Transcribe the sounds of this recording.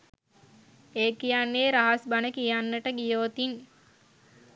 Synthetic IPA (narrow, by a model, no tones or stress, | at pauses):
eːkijanːeːɾaɦasbanəkijanːəʈəɡijoːt̪in